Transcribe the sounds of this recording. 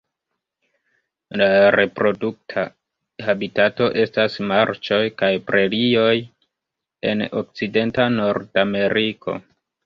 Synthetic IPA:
laɾe̞pɾo̞duk̚tʰa | habitato̞ʔe̞stasmaɾt͡ʃo̞jkajpɾe̞lio̞j | e̞̰no̰k̚t͡side̞ntano̞ɾdame̞ɾʔikʰo̞̰

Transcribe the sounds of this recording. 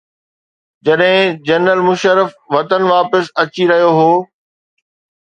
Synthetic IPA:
d͡ʑɐɗɦɪ̃d͡ʑɐnɾəlmʊʃəɾəfʋɐt̪ənʋaːpəsɐt͡ɕiɾɐɦijoɦoː

